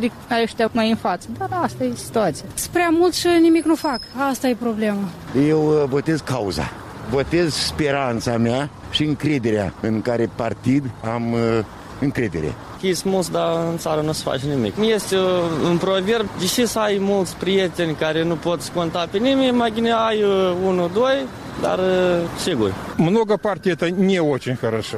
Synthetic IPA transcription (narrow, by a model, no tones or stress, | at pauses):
d̪ikəaɾeʃt̪amajɨnfat̪səd̪arast̪ajesi̥t̪uat̪sijaspɾeamult̪ʃənimiknufakast̪ajepɾoblemad̪eje̞wvo̞t̪e̞zkauza̰ | vo̞t̪ezspeɾant̪sameaʃiɨŋkɾe̞d̪e̞ɾea̰ɨŋkaɾe̞part̪id̪am | ɨŋkɾe̞d̪e̞̰ɾḛ | kʲismult̪sd̪aɨnt̪saɾənusə̥fa̰t͡ʃnimḭkjest̪ʲeɨnpɾoverd̪eʃisajmult̪sʲpɾijet̪enʲkaɾenupot̪skont̪apenimʲemajbineajunud̪oj | d̪a̰rʃeɡurʲmnoɡapart̪ʲit̪ənʲeot͡ʃenʲxəɾəʃə